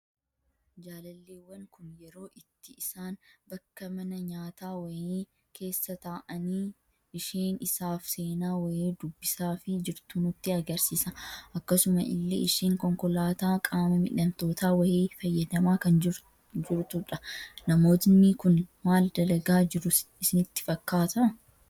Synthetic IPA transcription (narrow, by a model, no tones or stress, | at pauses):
d͡ʒaːlɐlːeːwːɐŋkʊnjɛɾo̞ːʔɪt̪ːɪɪsaːnbɐkːɐmɐnɐɲaːt̪aːwɐjiː | kʰe̞ːsːɐt̪aːʔɐniː | ʔɪʃeːnɪsaːfse̞ːnaːwɐheːd̪ʊbːɪsaːfɪd͡ʒɪɾt̪uːnʊt̪ːɪɐɡɐɾsiːsɐʔɐkːɐsʊmɐʔɪ̰lːḛːɪʃeːŋkɔŋkɔlaːt̪aːkʼaːmɐmɪ̰ᶑɐmt̪o̞ːt̪aːwɐjeːfɐjːɐd̪ɐmaːkɐnɪ | d͡ʒɪɾt̪ʊᶑɐnɐmo̞ːt̪nːiːkʊnmaːld̪ɐlɐɡaːd͡ʒɪɾʊɪsɪnɪt̪ːɪ̥fɐkːaːt̪ɐɐ